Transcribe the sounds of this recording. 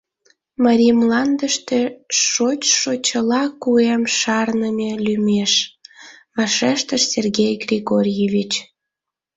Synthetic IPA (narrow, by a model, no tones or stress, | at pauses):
mɑɾʲimlɑnd̪əʃt̪eʃot͡ɕʃot͡ɕəlɑkuemʃɑrnəmʲelymʲeʃ | βɑʃeʃt̪əʃsʲerɣʲejɡrʲiɣorʲjevʲit͡ɕ